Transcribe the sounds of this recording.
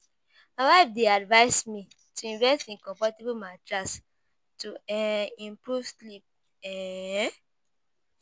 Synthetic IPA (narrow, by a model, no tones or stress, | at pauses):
mawaɪfdeadvaɪsmi | tuĩnvɛstĩkɔ̃fɔtebumat͡ʃɹas | tuɛĩmpɹuvslip̚ | ɛ